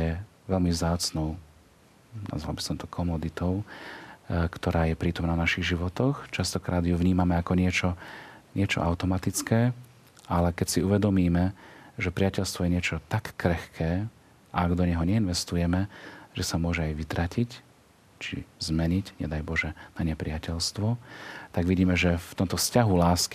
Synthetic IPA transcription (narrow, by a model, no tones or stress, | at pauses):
jɛ | ʋɛlmivzd̪aːt͡snɔʊ | na̰zʋa̰lbisɔmt̪ɔkʰɔmɔd̪it̪ɔʊ | kt̪ɔɾaːjɛpɾiːt̪ɔmnaːnaʃiɣʒiʋɔt̪ɔxt͡ʃast̪ɔkɾaːd̪juʋɲiːmamɛakɔɲɪɛt͡ʃɔɲɪɛt͡ʃɔ̰ʔaʊt̪ɔmat̪it͡skɛː | alɛkɛcsiuʋɛd̪ɔmiːmɛʒɛpɾɪacɛʎst̪ʋɔjɛɲɪɛt͡ʃɔt̪akːɾɛxkʰɛː | ʔaaɡd̪ɔɲɛɦɔɲɛinʋɛst̪ujɛmɛʒ̥ɛsamʊɔʒɛajʋit̪ɾacic | t͡ʃḭzmɛɲicɲɛd̪ajbɔʒɛnaɲɛpɾɪacɛʎst̪ʋɔt̪aɡʋiɟiːmɛʒɛft̪ɔmt̪ɔfscaɦulaːski